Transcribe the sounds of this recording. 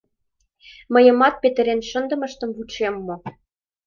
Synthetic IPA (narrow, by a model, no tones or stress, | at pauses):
mɤ̆jɤ̆mɑt̪̚pet̪ɘ̆ɾenʃə̆nd̪ɤ̆mə̆ʃt̪ə̆mvuʃemːo